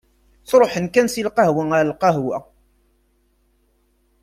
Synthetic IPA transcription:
θɾˤoħənkænsilqɑhwaaɾlqɑɦwæ

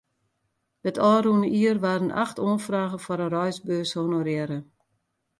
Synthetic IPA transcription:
dətʰɔːɾunəʔiərʋaːɾənʔa̰xtoːnfraːɣəfɔɾənrɔjsbøːshonorjɛɾə

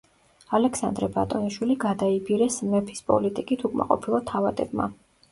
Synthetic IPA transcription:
alɛksa̰nd̪ɾɛba̰t̪ʼɔniʃwiliɡad̪aibiɾɛsmɛpʰi̥spʼɔ̰lit̪ʼikʼit̪ʰukʼma̰qʼɔ̰pʰilˠɔt̪ʰavat̪ʼɛ̰bma̰

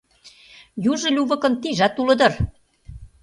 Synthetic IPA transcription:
juʒɤ̆lʲuβɤ̆kɤ̆nt̪iʒɑt̪ulɤ̆d̪ɤ̆r

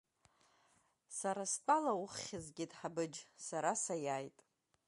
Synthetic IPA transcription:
saɾastʼalaʊχːʲɪzɡʲɪtʼħabɨd͡ʒsaɾasajajtʼ

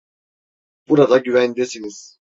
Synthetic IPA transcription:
b̥uɾad̪aɟyvænd̪esiniz̥

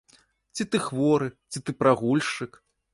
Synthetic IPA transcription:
t͡sʲit̪ɨxvɔɾɨt͡sʲit̪ɨpɾaɣulʲʂɨk

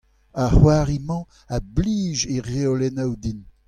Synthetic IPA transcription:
aχwaʁimɑ̃ | abliːʒeʁeolɛnawd̪in

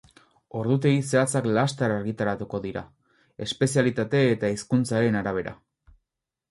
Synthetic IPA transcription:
o̞ɾðut̪̬e̞ise̞at͡saklast̪aɾaɾɣit̪aɾat̪uko̞ðiɾa̰ | e̞spe̞sialit̪at̪e̞ːt̪aiskunt͡saɾe̞naɾaβ̞e̞ɾa̰

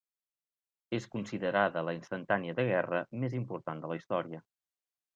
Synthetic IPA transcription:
eskunsiðəɾaðələinst̪ənt̪aniəðəɣɛrəmezimpuɾt̪and̪ələist̪ɔɾiə

